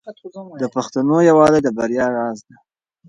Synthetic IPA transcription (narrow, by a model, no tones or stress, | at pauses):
d̪əpaxt̪anojawɑled̪əbaɾjɑɾɑzd̪a